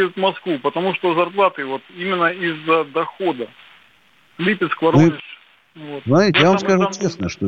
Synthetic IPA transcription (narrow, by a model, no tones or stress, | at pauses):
jʲʊt̪mɐskvupət̪ɐmuʂt̪ozɐrplˠat̪ɨvot̪imʲɪnːəizːəd̪ɐxo̞d̪ə | klʲipʲɪt̪skvɐɾʲɪ | vot̪smɐt̪ɾʲitʲɪjavamskaʐut͡ɕesnəʂt̪o